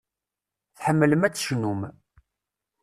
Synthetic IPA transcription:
θħəmːələmæt͡sːʃnum

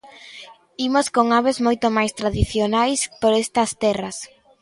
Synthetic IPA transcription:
imoskoŋaβezmojt̪omajst̪ɾaðiθjonajspoɾest̪ɐst̪ɛrɐs

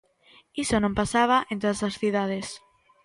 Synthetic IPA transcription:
isonõmpasaβ̞aʔẽnt̪oðasasθiðaðes

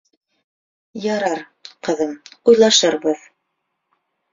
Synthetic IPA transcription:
jɑɾɑɾ | qɤ̆ðɤmujlˠɑʃɤɾbɤð

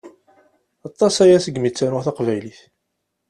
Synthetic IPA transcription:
ɑt̪ˤːɑsæjæsəɡmit͡sːænʊʁθaqvæjliθ

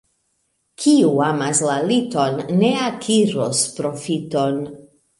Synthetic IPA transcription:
kʰiuamaslalito̞nːeakʰiɾospɾo̞fito̞n

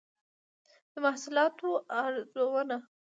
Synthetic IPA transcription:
d̪̥əmahsʊlɑt̪oaɾzowəna

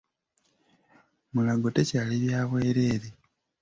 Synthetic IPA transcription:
mulaɡotecaːliβjaːβwe̞ːɾeːɾe

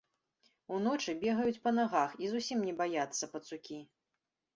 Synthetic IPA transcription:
unɔt͡ʂɨbʲɛɣɐjut͡sʲpɐnaɣaxizusʲimnʲɛbajat̪sːɐpɐt̪sukʲi

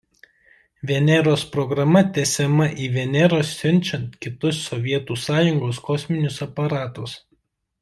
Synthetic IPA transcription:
ʋʲɛnʲɛɾoːspɾɔɡɾɐmɐt̪ʲɛsʲɛmɐʔiːʋʲɛnʲɛɾoːsːʲʊnʲˑt͡ʃʲɛnt̪kʲɪt̪ʊsːɔʋʲiɛt̪uːsɑːjʊŋɡoːskɔsʲmʲɪnʲʊsɐpɐɾɑːt̪ʊs

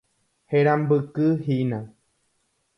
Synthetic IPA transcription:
heɾambɨkɨɦinã

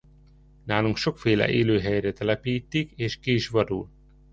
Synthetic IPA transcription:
naːluŋkʃo̞kfeːlɛ̰ʔeːløːɦɛjrɛt̪ɛlɛpiːt̪ːikeːʃkiːʃʋɒɾṵl

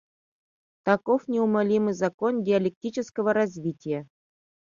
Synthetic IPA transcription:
t̪akofnʲeumalʲimɨjzakondʲɪɐlʲek̚tʲit͡ɕɪskəvəɾazʲvʲitʲɪjə

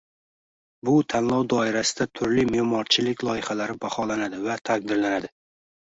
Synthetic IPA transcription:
bʊt̪ʰanlˠɒwd̪ɒɪɾasɪd̪at̪ʰʊɾlɪmemɒɾt͡ʃʰɪlɪkʲlˠɒjɪχalaɾɪbaχɒlanad̪ɪvat̪ʰaq̚d̪ɪɾlanad̪ɪ

